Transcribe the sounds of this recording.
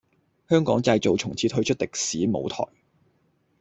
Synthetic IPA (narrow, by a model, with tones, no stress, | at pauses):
hœː˥ŋkɔː˨˥ŋt͡sɐ˧jt͡so˨wt͡sʰʊ˨˩ŋt͡sʰiː˨˥t̪ʰɵ˥ɥt͡ʃʰɵ˥t̚t̪ɪ˨k̚siː˨˥mo̰˨˧wt̪ʰɔ̰ː˨˩j